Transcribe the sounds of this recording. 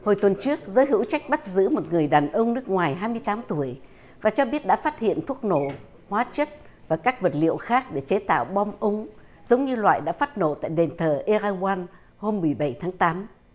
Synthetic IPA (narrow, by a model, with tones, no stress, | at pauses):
ho˨˩jt̪wə˨˩nt͡ɕɨ˦˥ək̚zəː˨˦jɦɨ̰˧˥wt͡ɕa˦˥jk̟̚ɓa˦˥t̚zɨ̰˧˥mo˨˩t̚ŋɨ˨˩əjɗaː˨˩nʔə˧wŋ͡mnɨ˦˥ək̚ŋwaː˨˩jɦaː˧jmɨ˧əjt̪aː˨˦mt̪u˧˩əj | vaː˨˩t͡ɕɔ˧ɓi˦˥ət̚ɗa̰ː˧˥faː˦˥t̚hḭ˧˨ənt̪ʰu˦˥ək̚no̰˧˩˨ | hwaː˨˦t͡ɕə˦˥t̚ | vaː˨˩kaː˦˥k̚və˨˩t̚lḭ˧˨əwxaː˦˥k̚ɗe˧˩t͡ɕe˨˦t̪a̰ː˧˨wɓɔ˧wŋ͡mʔə˧wŋ͡m | zə˨˦wŋ͡mɲɨ˧lwa̰ː˧˨jɗa̰ː˧˥faː˦˥t̚no̰˧˨t̪a̰ː˧˨jɗe˨˩nt̪ʰəː˨˩ʔe˧zaː˧wwaː˧n | ho˧mːɨ˨˩əjɓə˧˩jt̪ʰaː˨˦ŋt̪aː˨˦m